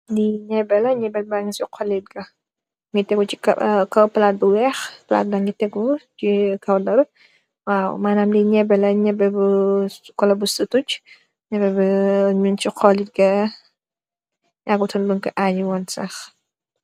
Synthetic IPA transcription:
diɲɛbɛlɐɲɛbɛlbaŋɡisiqʰɔlit̚ɡɐ | ŋɡitɛɡut͡ʃikkɐwpɐlaːt̚bəwɛxpɐla̰ːt̚dɐŋɡitɛɡut͡ʃikɐwdɐɾ | wawmaːnaːmdiɲɛbɛlɐɲɛbɛbukɔlɐbusutut͡ʃ | ɲɛbɛbɐɲunt͡ʃiqʰɔlit̚ɡɐ | ɲaɡutʰɔnbəŋkɐʔajiwɔnsɐx

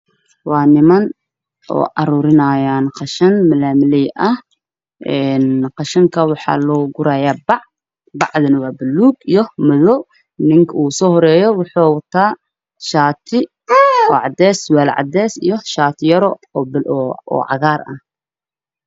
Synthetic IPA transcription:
wɑːnɪmɐn | ɔ̰ːʔɑɾuːɾɪnaːjaːnqɑʃɐnmɐlaːmɪlɛjʔɐh | ʔɛnqɑʃɐŋkʰɐwɑħɑ̰ːlɔːɡʊɾaːjaːbɑʕ | bɑʕðɐnɐwaːbɪlːuːɡijɔmɐðɔ | nɪŋkʰɐuːsɔːhɔɾɛːjɔwʊħoːwt̪ʰaː | ʃaːt̪ʰɪ | ɔːʕɑd̪ɛːswɛːlʕɑ̰d̪ɛːsijɔʃaːt̪ʰɪjɐɾɔbɔ̰ːʕɑ̰ɣaːrɐ̰h

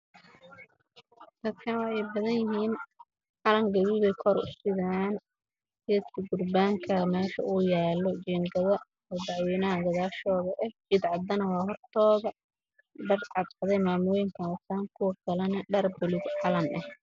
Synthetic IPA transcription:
d̪̥ɐd̪kʰɐnwɑħɛjbɐðɐnjɪɦiːn | ʕɑlɐŋɡɐβiβɛjkʰɔɾʊ̰st̪ɪðaːn | jɐt̪kʰɪɡʊrbaːŋkʰɐmɛːʃɐ̰uːjaːlɔt͡ʃɛːŋɡɐðɐ | ɔd̪ɑʕwiːnɐɦɐɡɐðaːʃɔːðɐʔɛht͡ʃɪd̪ʕɑd̪ɐnɐwɑːhɔrt̪ʰɔːðɐ | ɖɐrʕɑd̪ʕɑðɛjmaːmʊjɪŋkʰɐʊsaːŋkʰʊwɐkʰɐlɐnɐɖɐrbʊlɪɡʕɑlɐnɛh

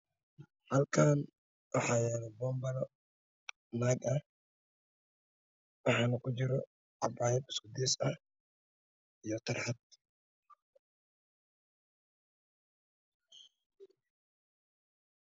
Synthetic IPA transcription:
hɐlkʰaːn | wɐħaːjanɐbɔːmbɐlɔ | naːɡɐ | wɑħaːnɐkʊd͡ʒɪɾɔ | ʔabaːjɛbɪ̥skʊd̪isɐ | ʔɪjɔt̪ɐɾħat̪

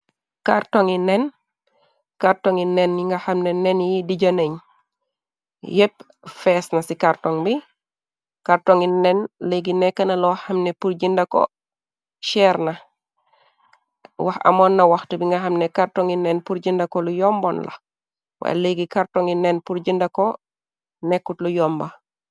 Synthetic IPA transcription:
kaɾtoŋinɛn | kaɾtoŋinenjiŋɡahamnenenjidiɟaneɲ | jep | fɛsnɐsikaɾtoŋbi | kaɾtoŋinɛnleɡinɛkːɐnɐlɔɐmnepuɾɟindako̰ | ʃɛɾna | waxa̰monːɐwaxtibiŋɡɐhamnekaɾtoŋinenpuɾɟindakolujɔmbonlɐ̰ | wa̰j̰leɡikaɾtoŋinːenpuɾɟindako | nekːutlujɔːmba

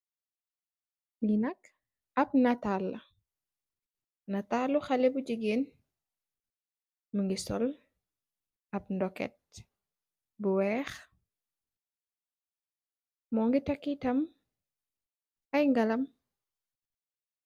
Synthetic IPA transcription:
ŋɡinɐk | ɐp̚nɐtalːɐ | nɐtalːuxɐlɛbuɟiɡeːn | məŋɡisɔ̰l | ɐp̚ndɔkɛ̰t̚ | buwɛːx | mɔːŋɡitɐkːitɐm | ɐjŋɡɐlɐm

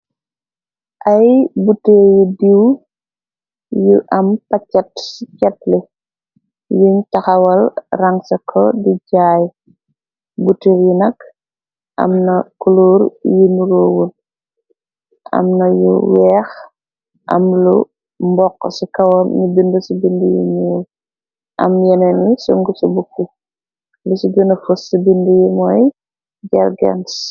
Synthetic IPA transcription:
ʔɐjbutːeɾjidiw | juʔɐmpɐcːɐtsicɐt̚li | juɲtɐxɐwɐlrɐŋsɐkʰɔdiɟaːj | butːeɾjinɐk | ʔɐ̰mnɐkuloːɾjinuɾoːwun | ɐ̰mnɐjṵwɛːx | ʔɐ̰mlṵ | mbɔkːsikɐwɐmɲibindusibindujḭɲul | ʔɐ̰mjɛnɐnisuŋɡusubuk̚ːu | lusiɡənɐfusibindujimɔj | ɟɐɾɡɛ̰ns

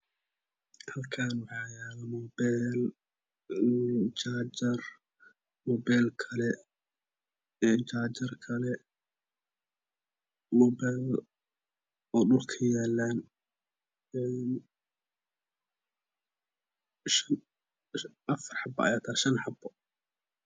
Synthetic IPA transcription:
hɐd̪kʰaːnwɑħaːjaːlɐmɔːbɛl | t͡ʃaːd͡ʒɐr | mɔːbɛjlkʰɐlɛ | ɛnt͡ʃaːt͡ʃɐrkʰɐlɛ | mɔːbal | ɔːɗʊlkʰɐjaːlːaːn | ɛn | ʃɐn | ʔɐfɑrħɑbɔ̰ɑ̰jaːt̪ʰaːʃɐnħɑbɔ

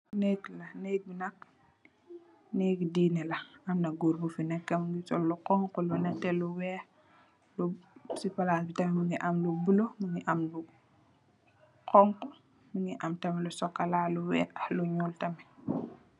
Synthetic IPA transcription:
nɛklɐnɛk̚binɐk̚ | nɛkdiːnɛlɐɐmnɐɡuɾbufinɛkːemuŋɡisɔlːuqɔŋkulunɛtɛluwɛːh | lusipalasbitɐmɛmuŋɡiʔamlubulomuŋɡiʔamlu | qɔŋku | muŋɡiʔamtɐmɛlusɔkːalaluwɛ̰ːʔaluɲuːltɐmɛ

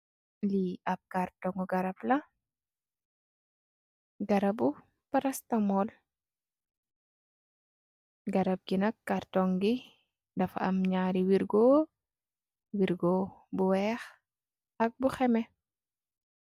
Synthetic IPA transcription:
liɐp̚kartɔŋɡuɡɐɾɐblɐ | ɡɐɾɐbu | paɾɐstamɔl | ɡɐɾɐp̚ɡinɐkːartɔŋɡi | dɐfɐ̰mɲaɾiwiɾɡo | wiɾɡobuwɛx | ɐk̚buxɛmɛ

